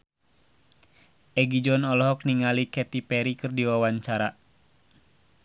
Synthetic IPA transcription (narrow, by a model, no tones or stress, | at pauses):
ʔɛɡid͡ʒɔnɔlɔɦɔk̚niŋalikɛt̪ipɛɾikɨrdiwawaɲt͡ʃaɾa